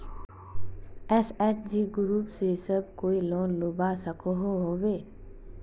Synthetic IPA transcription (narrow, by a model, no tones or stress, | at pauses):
ɛsɛːt͡ʃd͡ʒiɡʊɾuːpsesɐb̚koːilɔːnlobasəkoɦoɦoːbeː